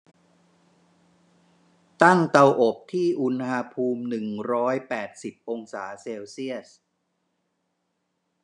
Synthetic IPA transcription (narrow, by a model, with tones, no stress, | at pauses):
t̪a˥˩ŋt̪a˧wʔo˨˩p̚t̪ʰiː˥˩ʔu˧nha˧pʰuː˧mnɯ˨˩ŋɾɔː˦˥jpɛː˨˩t̪̚si˨˩p̚ʔo˧ŋsaː˩˦seː˧wsi˥˩əs